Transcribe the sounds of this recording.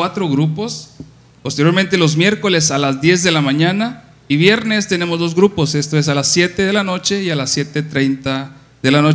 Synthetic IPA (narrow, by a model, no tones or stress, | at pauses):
wat̪ɾo̞ɣɾupo̞s | po̞st̪eɾjo̞ɾment̪̬elo̞zmje̞ɾko̞lesalazd̪je̞zðe̞lamãɲana | iβje̞ɾne̞st̪ene̞mo̞zðo̞zɣɾupo̞se̞st̪oes̬alasːje̞t̪e̞ðe̞lano̞t͡ʃe̞ialasːje̞t̪et̪ɾe̞jnt̪a | ðe̞lano